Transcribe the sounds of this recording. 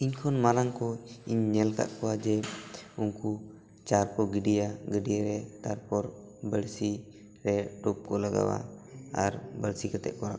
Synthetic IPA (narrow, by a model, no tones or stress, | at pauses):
iɲkʰɔnmalaŋkɔiɲːɛlka̰ʔkɔwad͡ʒɛuŋku | t͡ʃaɾkɔɡəɖijaɡəɖijaɾɛt̪aɾpɔɾ | bəɽsi | ɾɛɖɔp̚kɔlaɡa̰wa̰aɾbəɽsikɛt̪ɛ̰ʔ̚kɔɾa̰ʔ